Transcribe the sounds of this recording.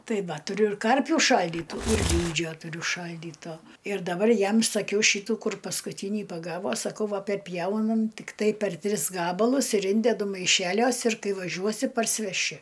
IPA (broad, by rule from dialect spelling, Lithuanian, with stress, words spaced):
ˈtɐɪ ˈʋɐ tʊˈrʲʊ ɪr ˈkɐrʲpʲuː ˈʃɐlʲdʲiːtuː ɪr ˈlʲiːd͡ʒʲoː tʊˈrʲʊ ˈʃɐlʲdʲiːtoː ɪr dɐˈbɐr ˈjɛm sɐˈkʲɛʊ ˈʃʲiːtuː ˈkʊr pɐskʊˈtʲiːnʲiː pɐˈɡɑːʋoː sɐˈkɐʊ ˈʋɐ pʲɛrʲˈpʲjɛʊnɐm tʲɪkˈtɐɪ pʲɛr ˈtʲrʲɪs ˈɡɑːbɐlˠʊs ɪr ˈɪnʲdʲɛdʊ mɐɪˈʃʲæːlʲuɔs ɪr ˈkɐɪ ʋɐˈʒʲuɔsʲɪ pɐrʲsʲɪʋʲɛˈʃʲɪ